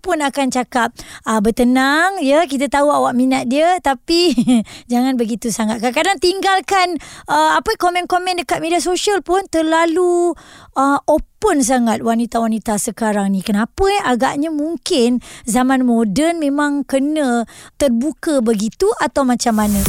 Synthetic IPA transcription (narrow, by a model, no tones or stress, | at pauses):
pʊnakant͡ʃakap̚əbət̪ənaŋjək̬it̪ət̪auawaʔminat̪̚diət̪apid͡ʒaŋanbəɡit̪usaŋat̪̚kankadaŋt̪iŋɡalkanəapəkomɛ̃nkomɛ̃ndəkat̪̚medias̬oʃiəlpʊnt̪ərlaluʔəopəns̬aŋat̪̚wanit̪awanit̪asəkaɾaŋnĩkənapəaɡaʔɲamuŋkɪnzamanmodənmẽmãŋkənə̃t̪ərbukəbəɡit̪uʔat̪awmat͡ʃamːanə̃